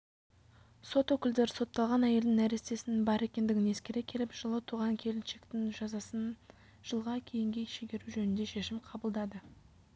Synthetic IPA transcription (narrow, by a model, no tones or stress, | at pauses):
so̞t̪wɵkʲɪld̪e̞ɾɪso̞t̪ːɑlˠʁɑnæje̞ld̪ɪŋæɾest̪e̞sɪnɪnbɑɾe̞kʲe̞nd̪ɪɡʲɪne̞skʲeɾe̞kʲʰe̞lɪpʒ̥əlˠət̪ʰuʁɑŋkʲʰe̞lɪnʃekt̪ɪŋʒɑzɑsən | ʒ̥əlˠʁɑkʲʰe̞jɪŋɡʲe̞ʃeɡʲe̞ɾuʒɵnɪnd̪eʃe̞ʃɪmqʰɑbəlˠd̪ɑd̪ə